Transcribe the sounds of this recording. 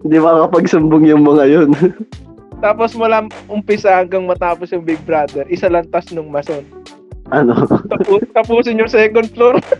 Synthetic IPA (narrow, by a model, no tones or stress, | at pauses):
ɪnd̪ibɐkɐpɐɡsʊmbʊŋjʊŋmɐŋɐjon | t̪aːposmɐlamʔʊmpɪsahɐŋɡɐŋmɐt̪aːposjʊŋbɪɡ̚bɾaːd̪ɛɾʔɪsalɐnt̪ɐsnʊŋmɐson | ʔɐnoɐpuːt̪ɐpuːsɪnjʊŋsɛːkond̪̚floɾ